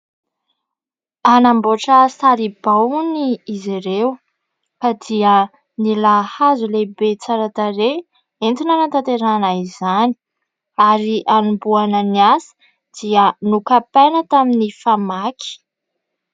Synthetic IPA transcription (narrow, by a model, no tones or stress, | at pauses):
anamboʈ͡ʂəsaɾib̥awuniːziɾew | kad̪iə | nilahazulebet͡saɾat̪aɾe | ent̪inanat̪at̪eɾanaizani̥ | aɾiʔanumbuanəniasi̥ | d̪̥iənukapajnət̪aminifamaki̥